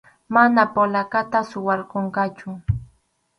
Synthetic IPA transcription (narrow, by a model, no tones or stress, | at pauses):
manapolakat̪asʊwɑɾqoɴɢɑt͡ʃʊ